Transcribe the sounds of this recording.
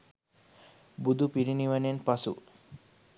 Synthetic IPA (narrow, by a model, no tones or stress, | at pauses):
bud̪upiɾiniʋanenpasṵ